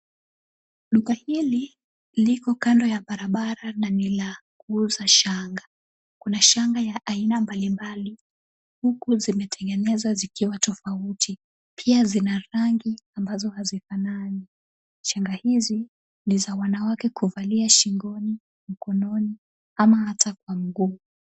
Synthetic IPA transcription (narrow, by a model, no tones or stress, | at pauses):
ɗukahili | likɔkandɔjaɓaɾaɓaɾananilakuuzaʃaŋɡa | kunaʃaŋɡajaʔainambalimbali | hukuzimɛtʰɛɡɛnɛzazikiwatɔfautʰi | pʰiazinaɾaŋɡiambazɔhazifanani | ʃaŋɡahizi | nizawanawakɛkuvaliaʃiŋɡɔni | m̩kɔnɔni | amahatʰakwam̩ɡuː